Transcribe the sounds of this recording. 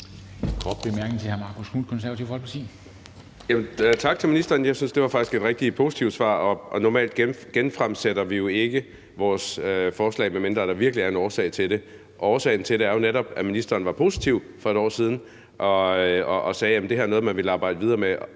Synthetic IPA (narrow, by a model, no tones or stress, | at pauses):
kʰʁɒb̥lemæɐɡ̥n̩ˠt͡sʰe̝hæɐmɑ̈kʰosʰuːnkʰɔnsæɐʋɐt͡sʰiʊ̰fhɒlpʰt͡sʰḭ | jæmənt͡sʰɑ̈ɡ̥̚t͡sʰe̝lminisd̥ɐːn̩jɑ̈ɪsynsd̥e̝ʋɑ̈fɑ̈ɡ̥isɡ̥e̝d̥ʁɛɡ̥̚d̥ipʰo̝ːsi̥t͡sʰiʊ̥sʋɑ̰̈ːɒ̽ʔɒ̽nɒmɛ̰ːld̥ɡ̥eɡ̥enfʁamseɾ̥ɐʋijo̝e̝ɡ̥ə | ʋɒːsøfɒːslɛ̰ɪmemend̥ɐd̥ɾ̥ɑ̈ʋiɐɡ̥liæɐe̝nɒːsɛ̰ɪt͡sʰe̝ld̥e̝ | ʔɒːsɛ̰ɪn̩t͡sʰe̝lɾeæɐjo̝neɾɒ̽b̥æminisd̥ɐːn̩ʋɑ̈pʰo̝sit͡sʰiʊ | fɒ̽e̝ɾ̥ɒ̰ːsiːð̞ˠn̩ | ʔɒ̽ɒʔːsɛːjæmən̩d̥e̝hæɐnɔ̽ð̞̩ˠmænʋe̝lɑ̈ːb̥ɑ̈ɪ̰dəʋið̞ˠɐːme